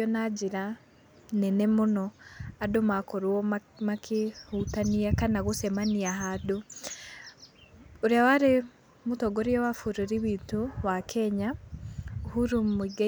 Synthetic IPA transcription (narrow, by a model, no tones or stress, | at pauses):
ɔnad͡ʒiɾa | nɛnɛmonɔadomakɔɾwɔmakʰehutaniakanaɣosɛmaniaɦado | oɾjawaɾe | mutɔɡɔɾiɔwafuɾeɾiβiːtowakʰɛɲa | ohuɾumiɡ